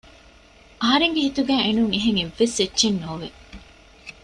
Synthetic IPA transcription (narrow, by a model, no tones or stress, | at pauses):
ʔɐɦɐɾeŋɡeɦit̪uɡæːʔenuŋeɦeŋeʋːesetːʃennoːʋe